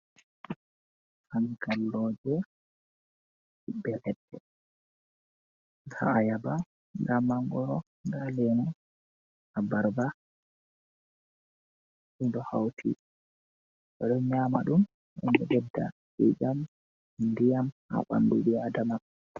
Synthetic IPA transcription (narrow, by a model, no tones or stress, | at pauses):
hanikalːɔd͡ʒɛ | hibːɛlɛɗːɛ | ha̰ajaba | ŋɡamːaŋɡɔɾɔ | ŋɡalɛnɔ | abaɾba | ʔindɔhawtʰi | ɓɛɗɔɲamaɗum | ʔɛ̰ndɔɗɛdːa̰ɗid͡ʒam | ndijamha̰ɓa̰mduɗiadama